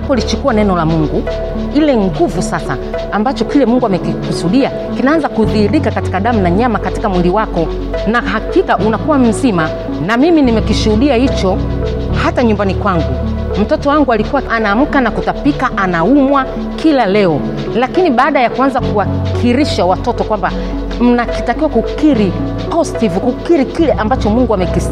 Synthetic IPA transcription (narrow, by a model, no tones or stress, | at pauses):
apɔlit͡ʃukuwanɛnɔlamuŋɡu | ilɛŋɡuvusasa̰ː | mbat͡ʃɔkilɛmuŋɡuamɛkikusuɗia | kinaanzakuðiːɾikakati̥kaɗam̩naɲamakati̥kamwiliwakɔ | nahakikaʔunakuwam̩zima | namiminimɛkiʃuhuɗiahit͡ʃɔ | hataɲumbanikwaŋɡu | m̩tɔtɔwaŋɡualikuwaʔanaːm̩kanakutapikaʔanaumwa | kʰilalɛɔ | lakiniɓaːɗajakuanzakuwakʰiɾiʃawatɔtɔkwamba | m̩nakitakiwakukiɾi | ɔstivukukiɾikilɛʔambat͡ʃɔmuŋɡuamɛkis